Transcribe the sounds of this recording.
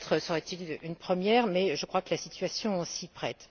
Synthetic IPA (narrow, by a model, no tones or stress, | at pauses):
t̪χəsəʁɛt̪ilynpχəmjɛːʁmɛʒəkχwakəlasit̪ɥasjɔ̃sipχɛt̪